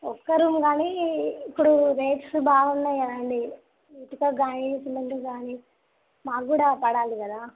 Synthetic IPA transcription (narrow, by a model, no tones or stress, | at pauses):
ɔkːɐɾuːmɡaːniːpːuɽuɾejʈsbʱaːɡunːɐjɐɾɐɳɖi | it̪ukɐɡaːnisimɐnʈ̪uɡaːni | maːkɡuːɽaːpɐɽaːlikɐd̪aː